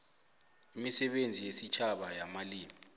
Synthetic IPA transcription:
imisɛɓend͡zʱijesit͡ʃʰaɓajamaliːmi

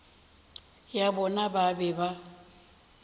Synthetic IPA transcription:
jabɔnababɛba

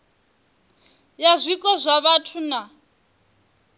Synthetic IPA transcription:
jazʷikʼɔzʷaβatʰuna

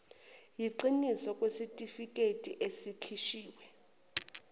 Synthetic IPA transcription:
jiǃinisɔkʼwesitʼifikʼetʼiʔesikʰiʃiːwɛ

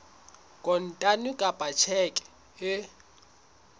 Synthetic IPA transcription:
kʼɔn̩tʼanʊkʼapʼat͡ʃʰɛkʼɛ̥ | ɪ

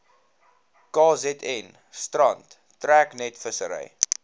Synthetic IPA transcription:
kɑːzɛtʰɛn | strɐntː | ræːknɛtfəsəɾɛ̰j

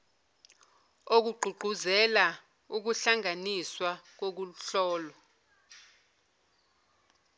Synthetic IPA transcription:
ok̬uɡ͡ǃʱuɡ͡ǃʱuzɛla | uk̬uɬaŋaniswak̬ok̬uɬɔːlɔ

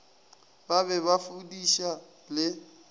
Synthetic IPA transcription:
baβɛβafudiʃa | lɪ

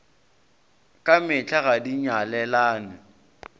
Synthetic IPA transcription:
kʼamɪt͡ɬʰʼaɣadiɲalɛlaːnɪ

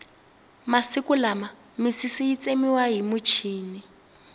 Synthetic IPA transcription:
masikulama | misisiit͡sʼemiwaɦimut͡ʃʰiːni

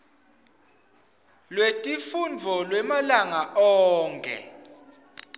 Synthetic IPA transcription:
lwetʼifundʱɔlwɛmalaŋaʔɔːŋkʰʼɛ̰

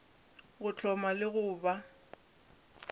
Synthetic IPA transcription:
ɣʊt͡ɬʰɔmalɪɣʊːba

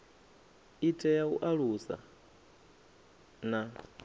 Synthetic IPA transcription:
itʼɛjaṵʔaɺusa̰ | na

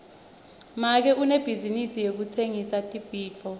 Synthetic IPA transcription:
mak̬ɛʔuneb̥ʱizinisijek̬ut͡sʰeŋisatʼib̥ʱiːt͡fʰɔ

